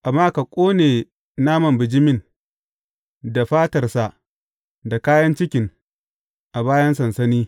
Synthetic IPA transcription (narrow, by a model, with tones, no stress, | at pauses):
ʔa˨mːaː˦ka˨kʷʼoː˦neː˨ | naː˦mɐ˨mbɪ˨d͡ʒɪ˦mɪ˦˨n | da˨ɸaː˦tɐ˨rsa˨ʔ | da˨kaː˦jɐ˦nt͡ʃɪ˦kʲɪ˨ŋ | ʔa˨baː˦jɐ˦nsɐ˨nsɐ˦niː˦